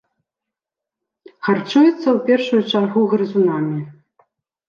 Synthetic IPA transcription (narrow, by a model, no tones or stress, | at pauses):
xart͡ʂujɛt̪sːɐwpʲɛrʂujut͡ʂarɣuɣɾɨzunamʲi